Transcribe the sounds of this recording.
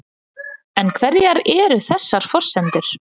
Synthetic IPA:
ɛnkʰvɛɾjaɾɛːɾʏθɛsːaɾ̥fɔr̥sɛnt̪ʏɾ̥

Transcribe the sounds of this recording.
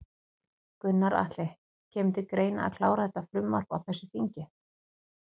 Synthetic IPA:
kʏnːaɾa̰t̪lɛh | cʰɛːmt̪ɪkɾeːjna̰a̰ðkʰlaːwɾaθɛt̪ːafɾʏmːa̰r̥pa̰wθɛsːʏθiɲcɪ

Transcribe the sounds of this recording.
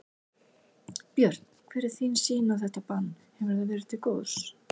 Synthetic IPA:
pjœɾ̥t̪nkʰvɪːɾɪɾ̥θinsiːnawθɛht̪apanː | hɛvɪɾ̥θavɛːɾɪ̥t̪ʰɪlkoːws

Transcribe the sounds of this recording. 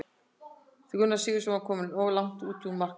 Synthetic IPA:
θɪkʰʏnːasiːɣðɪsɔmakʰɔːmɪnɔːwlawŋ̥t̪uːt̪mar̥k

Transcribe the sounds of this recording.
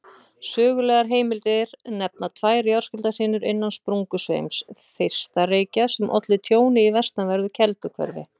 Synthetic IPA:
sœːɣʏlɛːɣaɾɦeːjmɪlt̪ɪɾnɛp̚nat̪ʰvaːjɾjawɾ̥skʏlt̪ar̥ɪːnʏɾɪnːanspɾuŋkʏsvḛjmsθɪjr̥st̪aɾeːjcasɛmʔɔ̰t̪lɪt̪ʰjoːwnɪivɛst̪navɛɾðʏcʰɛlt̪ʏkʰvœ̰ɾvɪ̰

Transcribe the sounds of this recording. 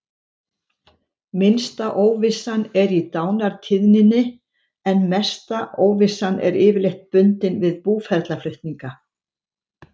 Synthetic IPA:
mɪnst̪aʔoːwvɪsːanɛɾit̪aːwnaɾ̥t̪ʰɪðnɪnːɪ | ɛnmɛst̪aʔoːwvɪsːanɛ̰ɾɪːvɪɾlejht̪̚pʏnt̪ɪnvɪðpuːfɛɾt̪laflʏht̪niŋka

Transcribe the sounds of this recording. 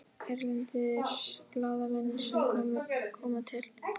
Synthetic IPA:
ɛɾlɛnt̪ɪɾplaːðamɛnːɪ̥sɛmkʰɔːmɪkʰɔːmat̪ʰɪl

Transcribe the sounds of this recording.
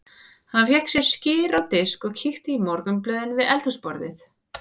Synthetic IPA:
hanfjɛhksjɛɾscɪːɾawt̪ɪskɔɣcʰixt̪ɪimɔɾkʏmplœːðɪnvɪðɛlt̪ʏspɔɾðɪ̰θ

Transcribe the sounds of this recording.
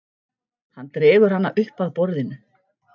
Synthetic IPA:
hanːt̪ɾɪːvʏɾ̥hanːaʔʏhpaðpɔɾðɪnʏ

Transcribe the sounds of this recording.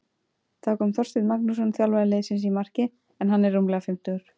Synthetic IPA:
θakʰɔːmθɔr̥st̪ɪðmaknus̬ɔnθjalvaðleːðsɪnsimar̥cɪ | ɛnɦanːɛɾːumlɛɣafɪm̥t̪ʏɣʏɾ̥

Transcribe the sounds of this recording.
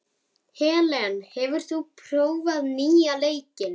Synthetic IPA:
hɛːlɛanhɛvʏɾ̥θupʰɾ̥oːwvaðniːaleːjcɪn

